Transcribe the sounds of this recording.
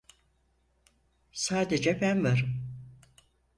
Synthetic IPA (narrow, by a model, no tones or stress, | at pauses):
saːd̪ed͡ʒɛbænvaɾɯm